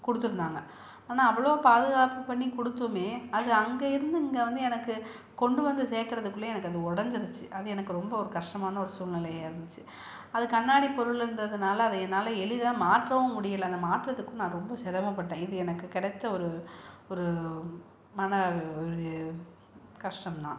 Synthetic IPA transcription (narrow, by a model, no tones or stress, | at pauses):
kɔɽɯt̪ːɯɾɯnd̪aːŋɡɐ | aːnaːɐʋːɐɭoːpaːðɯɣaːpɯpɐɳːikɔɽɯt̪ːɐmeːɐðɯɐŋɡeɪɾɯnd̪ɯɪŋɡeʋɐnd̪ɯɛnɐkːɯ | kɔɳɖɯʋɐnd̪ɯseːɾkɪɾɐðɯkːɯlːeɛnɐkːɐðɯɔɽɐɲd͡ʒɯɾɯt͡ʃːɯʔɐðɯɛnɐkːɯɾɔmbɐɔɾɯkɐʂʂʈɐmaːnɐɔɾɯsuːlnɪlɐjɪɾɯnd̪ɯt͡ʃːɯ | ɐðɯkɐɳːaːɽipɔɾɯɭɾɯndɐðɯnaːlɐːðɯɛnaːlɐɛɭɪðaːmaːʈrɐʋɐ̃mʊɽɪjɐlɐnd̪ɐmaːʈrɐðɯkːʊ̃nãːɾɔmbɐsɛɾɐmɐpːɐʈːẽːɪðɯɛnɐkːɯkɪɽɐt̪ːɐɔɾɯɔɾɯ | mɐnɐɾ | kɐʂʈɐmt̪ã̰ː